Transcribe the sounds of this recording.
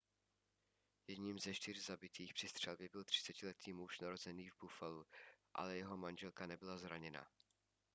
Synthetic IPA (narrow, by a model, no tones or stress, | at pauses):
jɛdɲiːmzɛʃt̪ɪrzabɪt̪iːxpr̥ɪst̪r̝̥ɛlbɪbɪlt̪r̝̥ɪ̥t͡sɛcɪlɛt̪iːmuʃnaɾozɛniːvbufaluʔa̰lɛjɛɦo̞manʒɛlkanɛbɪlazɾaɲɛna̰